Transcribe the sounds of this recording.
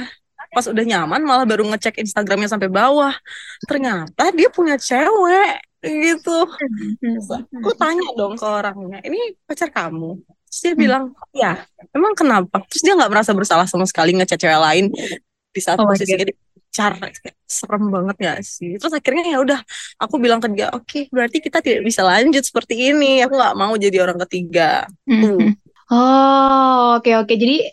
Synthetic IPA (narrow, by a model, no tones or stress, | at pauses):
a | pasudahɲamanmalahbaɾuŋət͡ʃɛkinst̪aɡɾamɲas̬ampabawaht̪ərɲat̪adiapuɲat͡ʃewɛ | ɡit̪u | kut̪aɲadɔŋkəoɾaŋɲaʔinipat͡ʃarkamu | t̪ɾʊsdiabilaŋjamemaŋkənapat̪ɾʊsdiaŋɡaʔməɾasabərsalahsamasə̥kaliŋət͡ʃɛk̚t͡ʃɛwɛlaɪn | disat̪sisadi | at͡ʃarsəɾəmbaŋət̪̚ja̰sɪht̪əɾʊsakɪrɲajaudahʔakubilaŋkət̪iɡaʔokebəɾart̪ikit̪at̪idaʔbisalaɲd͡ʒʊt̪̚sə̥pərt̪iːniakuŋɡaʔmaud͡ʒadioɾaŋkət̪iɡa̰ | ɔ | okeoked͡ʒadi